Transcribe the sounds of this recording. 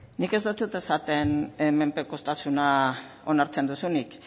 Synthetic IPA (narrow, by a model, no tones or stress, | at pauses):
nike̞zd̪ot̪ut̪e̞sat̪e̞neme̞mpeko̞st̪asuna | o̞naɾt͡se̞nd̪usunik